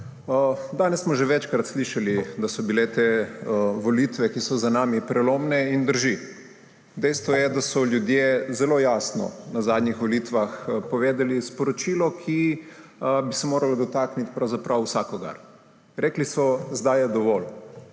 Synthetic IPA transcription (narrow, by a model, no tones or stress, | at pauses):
d̪aːnɛssːmɔʒɛʋɛt͡ʃkɾat̪sliʃalid̪asɔbilet̪e | ʋolit̪ʋɛkisɔzanaːmipɾɛlomnɛind̪əɾʒi | d̪ɛjst̪ʋɔjɛd̪asɔljud̪jezɛloːjaːsnɔ̰nazaːd̪nʲixʋɔlit̪ʋaxpɔʋeːd̪ɛlispɔɾɔt͡ʃiːlɔkʰi | bisɛmoːɾalɔd̪ɔt̪aːknit̪pɾawzapɾʔawsakɔɡa̰ɾ | ɾeːklisɔzd̪ajɛd̪ɔʋɔl